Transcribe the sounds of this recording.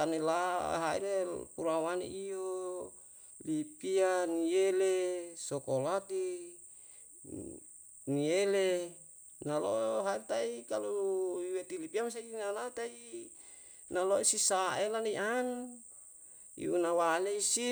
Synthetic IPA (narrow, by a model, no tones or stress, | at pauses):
t̪anila̰ɦaḭlepuɾawanḭʔio | lipianielesokolat̪i | niele | nalo̰ɦait̪aikaluuiwet̪ilipiamas̬ainalat̪ai | naloisisaʔelaneiʔan | ḭunawaleisi